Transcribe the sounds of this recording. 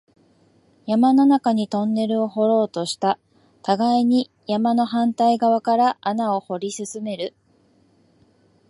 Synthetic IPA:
jamanonakaɲ̟it̪õ̞nːe̞ɾɯ̟o̞ɦo̞ɾo̞ːt̪o̞ɕi̥t̪a | t̪aɡaiɲ̟i | jamano̞ɦãnt̪aiɡaβ̞akaɾaʔanao̞ho̞ɾʲisɨsɨme̞ɾɯ̟

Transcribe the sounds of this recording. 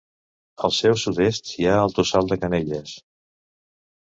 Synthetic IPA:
əlˠsɛwsuðest̪iaəlˠt̪usalˠd̪əkəneʎəs

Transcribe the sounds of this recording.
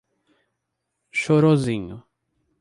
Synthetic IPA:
ʃoɾozĩɲʊ

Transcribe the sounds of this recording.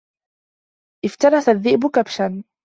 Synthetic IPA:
ʔɪft̪ɑɾˤɑθaðːɪʔbʊkabʃan

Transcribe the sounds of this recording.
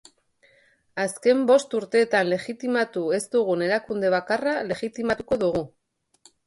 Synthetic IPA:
aske̞mbo̞st̪uɾt̪e̞ːt̪anle̞ɣit̪imat̪ue̞zt̪uɣ̞une̞ɾakund̪e̞β̞akarale̞ɣit̪imat̪uko̞ðuɣu

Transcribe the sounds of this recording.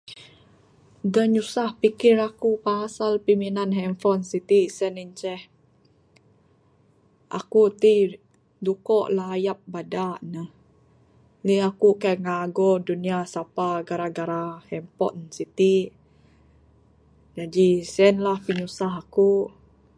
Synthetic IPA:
dəɲusahpikɪɾakupaasalpiminanɦɛmfɔnsit̪isɛniɲt͡ʃɛh | ʔa̰kut̪i | dukɔʔlaːjap̚badanəh | liakukajŋaɡɔduniasapaɡaɾaɡaɾahɛmpɔ̰nsit̪i | d͡ʒadisɛnlahpiɲusaɦaku

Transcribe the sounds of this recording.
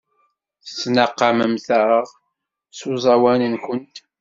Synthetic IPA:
θə̥t͡sːnəqːɑməmθəɾəʁ | suzˤɑwænənkʷənt̪

